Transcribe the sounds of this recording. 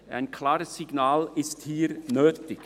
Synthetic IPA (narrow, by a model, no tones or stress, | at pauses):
ʔa̰ɪnkʰlaːɾəsːɪɡ̥naːlɪsthiːɾnøːtɪk